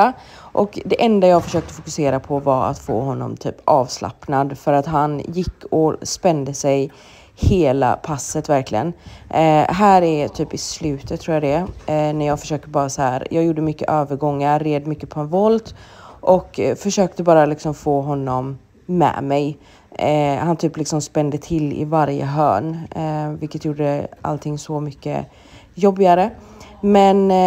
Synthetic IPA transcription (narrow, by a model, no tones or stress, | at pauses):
a | ʔɔkd̪ɛʔɛnd̪ajɑːɡfœʂøːk̚t̪əfʊkɵseːɾapʰɔvaɾa̰t̪fo̰ːɦɔnːɔ̰mt̪ʰy̰ːpʔɑːvsla̰pnad̪fœɾat̪ɦanjɪkːɔspɛnd̪əsɛj | heːla̰pʰasːət̪væɾklɪɡən | ɦæːɾæɾt̪ʰyːpɪslʉ̟ːt̪ət̪ʰːɾuːjad̪ɛnæɾjɑːɡfœ̥ʂøːkt̪əbɑːɾasahæːɾjʔɑːɡjuːɖːəmʏkːə̰ʔøːvəɾɡɔŋːaɾːɛd̪mʏkːəpʰɔɛnvɔlt̪ʔɔkfœʂøːk̚t̪əbɑːɾalɪksɔmfoːɦɔnːɔmː | ɛ̰mɛj | hant̪ʰyːplɪksɔmspɛnd̪ət̪ʰɪlːɪ̰vaɾjə̰ɦœ̰ːɳvɪlkːət̪juːɖəʔa̰lt̪ʰɪŋːsɔmʏkːə̰ | jɔbːɪaɾə | mɛn